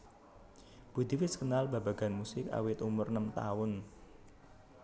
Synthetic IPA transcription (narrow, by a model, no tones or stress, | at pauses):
b̥ṳd̪̥i̤wɪskənalb̥a̤b̥a̤ɡ̥a̤nmusɪka̰wɪt̪umʊrnəmt̪a̰ʊn